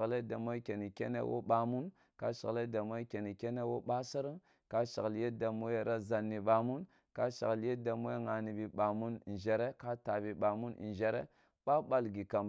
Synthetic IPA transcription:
ɣle˦da˨mo˦ke˨ni˨kḛ˦nḛ˦wʔo̰˦ɓa˨mu˦n | ka˦ʃa̰˨ɣle˦da˨mo˦e˦ke˨ni˨ke˦ne˦wo˦ɓa˦sa˦ɾə˦ŋ | ka˦ʃa˨ɣlje˦da˨mu˦e˦ɾa˦za˨nːi˨ɓa˨mu˦n | ka˦ʃa̰˨ɣlje˦da˨mu˦e˦ŋa˨ni˨bi˨ɓa˨mu˦n˨nʒe˨ɾe˦ka˦ta˨bi˨ɓa˨mu˦n̰˨ʒe˦ɾḛ˦ | ɓa˦ɓa˦lɡi˨ka˨m

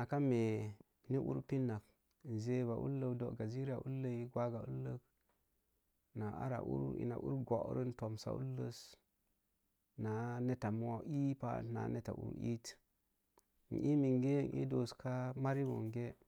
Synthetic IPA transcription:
na˨ka˦me˨ | ni˦ʔṵ˦ɾpi˦nːa˨k | n˨ze˦ba˨ʔu˦lːə˦do˨ɡa˨zi˦ɾi˦a˨ʔu˦lːə˦i˦ɡwa˦ɡa˨u˦lːə˦k | na˨a̰˦ɾa̰˨ʔṵ˦ɾḭ˨na̰˨ʔu˦ɾɡo˨ʔɾə˦n˦to˨msa̰˨˦ṵ˦lːə˦s | na˨ne˦ta˨mo˦a˦ʔi˦pa̰˦na̰˨ne˦ta̰˨ʔṵ˦˨ɾi˦t | n̩˨ʔi˦mi˨ŋɡe˦˨ŋḭ˦do˨ska˦ma˦ɾi˦bo̰˨ŋɡe˦

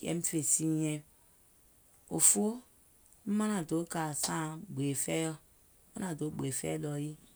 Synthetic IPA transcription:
ḛ˦m̩˦fe˨si˦e˦b | o̰˨fo˦ | m̩˦ma˦na˨do˨˦ka˨sã˦ɡ͡be˨fe˦jɔ˦ | mo˦na˨do˨˦ɡ͡be˨fḛ˦lɔ˨ji˦

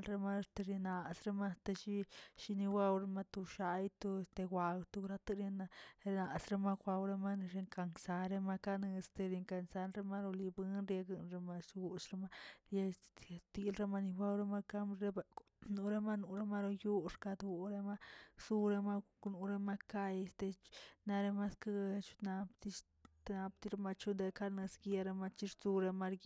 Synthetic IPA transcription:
nɾe˧ma˦˧st̪e˧ɾe˧na˨sɾe˧ma˦st̪e˧ʃi˦ʃi˧ni˧wa˦˧wɾe˧ma˧t̪u˧ʃa˧˦jt̪u˧e˧st̪e˧ɡʷa˨wt̪u˧ɾa˦t̪ɨ˦˧ɾe˧na˧ɾe˧na˨sɾe˧ma˦kʷa˧wɾe˧ma˦n˧ɾe˧ŋka˧ŋsa˧ɾe˧ma˧ka˦˧nɨ˧st̪e˧ɾi˧ŋka˧nsa˧nɾe˧ma˦ɾo˧li˧bɨ˦nɾje˧ɡɨ˧nɾe˧ma˧su˧ʃɾe˧ma˦ɾja˧e˧st̪i˧lɾe˧ma˧ni˧ba˦wɾe˧ma˧ka˧mɾe˦be˧ | nu˧ɾe˧ma˦nu˨ɾe˦ma˦ɾo˧ju˦ʂka˧d̪u˧ɾe˧ma˦su˦ɾe˧ma˧ | nu˨˧ɾe˧ma˧ka˧je˧st̪e˧t͡ʃna˧ɾe˧ma˦ska˧ɡt͡ʃu̥˧na˧pt̪i˧ | t̪na˧pt̪i˧ɾe˧ma˧t͡ʃu˦nd̪e˧ka˧nɨ˧sɡja˧ɾe˧ma˧t͡ʃi˧ɾt͡su˧ɾe˧ma˧ɾɡ

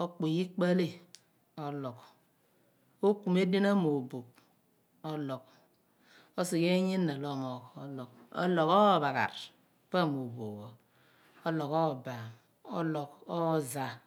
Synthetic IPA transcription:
o˦k͡po˨ji˦k͡pa˦le˦ | o˦lo˨k | o˦ku˨me˦di˦na˦mo˨bo˨k̚ | o˦lo˨k | o˦si˨ke˦ɲi˦nːa˨lo˦mo˨ko˨lo˨ko̰˦lo˨ko˦˨βa˨ka̰˨ɾ | pa˦˨mo˨bo̰˨ko˨ | o˦lo˨ko˦˨ba˨m | o˦lo˨ko˦za˨

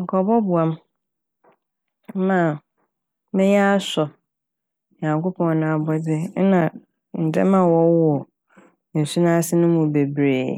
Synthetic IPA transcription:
ŋ̩˨kʰɔ˨bɔ˦bʊ˨a˦m˦ | mã˨ | mɛ̃˦ɲ˦a˦a˦sɔ˨ | ɲã˨ŋko˦pʰɔ̃˨n˨nã˨a˨bɔ˦dɪ˦nã˨ | n̩˨dɛ̰˦mã˨wɔ˦ɔ˨ | n̩˨su˦nã˦sɪ˦nʊ̃˦mũ˨be˨bɾeː˨

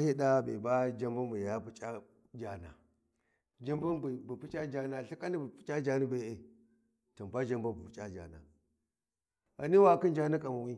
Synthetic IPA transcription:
hi˦ɗa˦bḛ˨ba˦d͡ʒa˦mbu˦nbu˨ja˦pu˦t͡ʃʼa˦ | d͡ʒa˦na̰˨ | d͡ʒa˦mbu˦nbi˨bu˨pi˦t͡ʃa˦d͡ʒa˦na˨ɬi˦ka˦ni˦bu˨pi̥˦t͡ʃʼa˦d͡ʒa˦ni˦be˨e˨ | to˨m˨ba˦d͡ʒa˦mbu˦bu˨pi˨t͡ʃʼa˦d͡ʒa̰˨na̰˨ | a̰˨ni˦wa˦˨ki˦nd͡ʒa˦na˦kʼa˨mu˨wi˦

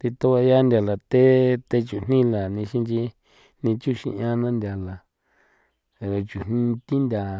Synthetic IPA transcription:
t̪i˧t̪o˦βa˧ja˦ndʲa˧la˨t̪e˦t̪e˧t͡ʃu˨n̥ĩ˦la˨nĩ˧ʃi˧nt͡ʃi˧ | nĩ˧t͡ʃu˦ʃḭ̃˧ɲ˧ã˧nã˦nd̪ʲja˧la˨ | ɾe˧t͡ʃu˨n̥nĩ˦t̪i˦nd̪ʲa˨

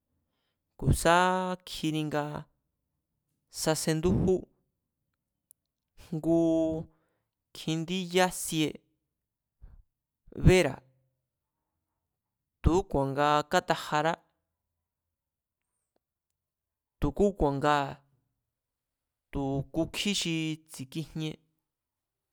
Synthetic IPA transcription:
ku˨sa˦kʰi˧nĩ˧ŋɡa˧ | sa˧se˧nd̪u˦hu˦ | ŋɡu˧˦ | kʰĩ˧nd̪i˦ja˦sje˧ | βe˦ɾa̰˨ | t̪u˨˦kʷã˨ŋɡa˧ka˦t̪a˧ha˧ɾa˦ | t̪u˨ku˦kʷã˨ŋɡa˧ | t̪u˨ku˧kʰi˦ʃi˧t͡si˨ki˧ɲ̥ɲẽ˧

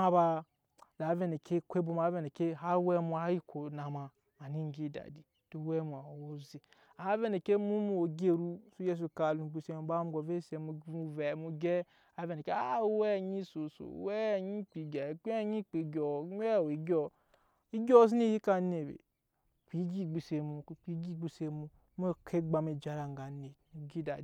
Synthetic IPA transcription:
a˦ba˦ | da˨˦ve˦ne˨kʰe˦kʷe˦bu˦ma˨˦ve˦˨ne˨ke˦ɦa˦wɛ˦mu˨a˨˦ji˦kʰo˨na˨ma˨ | a˨ni˦ŋ˨ɡi˦da̰˨di˨ | to˨˦wɛ˦mu˨a˨wo˦zi˨ | a˨˦ve˦ne˨ke˦mu˦mu˨o˨ɡe˦ɾu˦su˦je˦s̬u˨ka˨lũ˨ɡ͡bi˦˨se˦m˨˦ba˦mu˦ɡo˨ve˦se˨mu˨u˦˨vɛ˨mu˨ɡɛ˦ | a˨˦vɛ˦ne˨ke˦a˦wɛ˦˨ɲi˦so˨so̰˨˦wɛ˦˨ɲi˦k͡pi˨ɡɛ˨kʷe˦ɲi˦k͡pi˨ɡʲɔ˨˦ɲ˦ɛ˦˨wi˨ɡʲɔ˦ | i˦ɡʲɔ˦s̬i˦e˦˨ji˦ka˦ne˨bḛ˨ | k͡pʷi˨˦ɡi˦˨ɡ͡bi˨se˨mu˨k͡pi˨˦ɡi˦˨ɡ͡bi˦˨se˦mu˨˦m˦e˦kʰe˦ɡ͡ba˦me˨d͡ʒa˨ɾa˨ŋ˨ɡa˨ne˨i˨˦ɡi˦da̰˨d

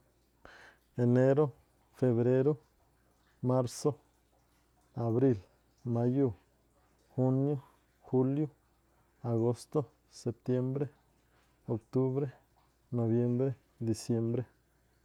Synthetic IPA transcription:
e˨ne˦ɾo˦ | fe˨βɾe˦ɾo˦ | ma˦ɾso˦ | a˨βɾi˦˧l | ma˧˦ju˦˨ | xu˦njo˦ | xu˦ljo˦ | a˨ɡo˦st̪o˦ | se˨p̚t̪je˦mbɾe˦ | o˨kt̪u˦βɾe˦ | no˨βje˦mbɾe˦ | d̪i˨sje˧˦mbɾe˦

